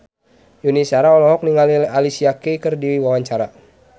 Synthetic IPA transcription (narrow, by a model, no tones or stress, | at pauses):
junisaɾaɔlɔɦɔk̚niŋalalisiakekərdiwiwawaɲt͡ʃaɾa